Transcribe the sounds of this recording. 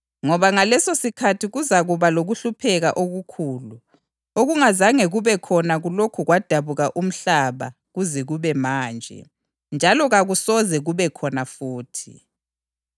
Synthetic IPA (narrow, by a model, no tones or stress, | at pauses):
ŋɔβaŋalɛsosikʰatʰiɣuzaɣuβaloɣuɬupʰɛɣaʔoɣukʰuːlu | oɣuŋazaŋeɣuβɛkʰɔnaɣulokʰuɣwad̥ʱaβuɣaʔum̩ɬaβa̰ | ɣuzɛɣuβɛmaːnd͡ʒʱɛ̰ | nd͡ʒʱalɔɣaɣusɔzɛɣuβɛkʰɔnafuːtʰi̥̰